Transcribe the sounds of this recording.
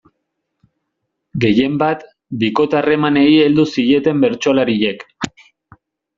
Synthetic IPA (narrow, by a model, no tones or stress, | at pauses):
ɡe̞je̞mbat̪ | biko̞t̪are̞mane̞ie̞ld̪usiʎe̞t̪e̞mbe̞ɾt͡ʃo̞laɾiʎe̞k